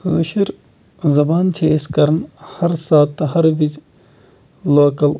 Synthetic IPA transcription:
lɐ̰ʃiɾ | zɐbaːnt͡ʃʰeːskɐɾnhɐɾsaːt̪ːɐɦɐɾʋid͡ʒ | loːkɐl

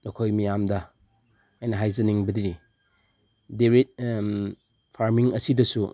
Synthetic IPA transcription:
nokʰojmijamdɐ | ajnɐɦajzɐniŋbɐdiɾi | deɾet̚ | pʰaɾmiŋɐsidɐsu

